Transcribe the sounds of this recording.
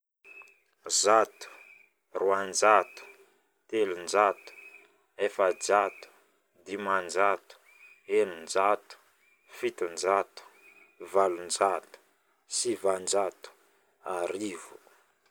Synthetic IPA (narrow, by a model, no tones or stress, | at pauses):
zat̪u̥ | ruand͡ʒat̪u̥ | t̪elund͡ʒat̪u̥ | efad͡ʒat̪u̥ | d̪imand͡ʒat̪u̥ | enund͡ʒat̪u̥ | fit̪ind͡ʒat̪u̥ | valund͡ʒat̪u̥ | sivand͡ʒat̪u̥ | aɾivu̥